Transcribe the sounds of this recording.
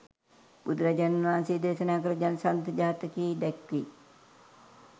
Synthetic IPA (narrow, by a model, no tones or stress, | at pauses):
bud̪ɾad͡ʒannʋaːnsid̪esənaːk̬əɾəd͡ʒansant̪əd͡ʒaɦat̪əkiːd̪ɛkʋi